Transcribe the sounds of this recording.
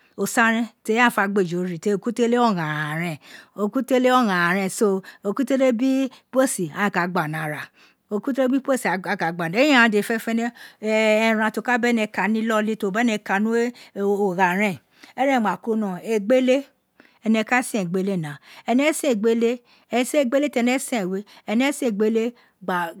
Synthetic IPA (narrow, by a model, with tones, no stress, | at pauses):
o˨sa˦ɾɛ̃˦te˧˦a˦˨fa˧ɡ͡be˦˨d͡ʒo˨ɾi˨te˧o˨ku˦te˦le˦ɔ˦˨ɣã˨a˨ɾɛ̃˨o˧ku˦te˦le˦ɔ˦˨ɣã˨ɾ̃ɛ̃˨so˧o˧ku˦te˦ɾe˦bi˦po˦˨si˨a˨˦˨ka˨ɡ͡ba˨nã˨ɾa˨ | o˧ku˦te˦ɾe˦bi˦po˦si˨a˨a˨ka˨ɡ͡ba˨a˨ẽ˦ã˦˨ã˨˧de˨fɛ˦fɛ˦nɛ˦˨ | ɛ˧˨ɾã˧to˧˨ka˦bɛ˦nɛ˧ka˨nĩ˦lɔ˦li˦to˧˨bɛ˦nɛ˧ka˧˨nũ˦e˦o˨ɣa˨ɾɛ̃˦˨ | ɛ˦ɾɛ̃˦˨ma˨ko˦nɔ̃˨e˧ɡ͡be˦le˦ | ɛ˧nɛ˧˨ka˦sĩ˦ɛ̃˨ɡ͡be˦le˦˨nã˨˦ɛ˧nɛ˨˦sĩ˦e˨ɡ͡be˦le˦ | ɛ˧˦se˦e˦˧˨ɡ͡be˦le˦tɛ˧nɛ˦sɛ̃˨we˦ɛ˧nɛ˦sĩ˦˨ɡ͡be˦le˦ | ɡ͡ba˨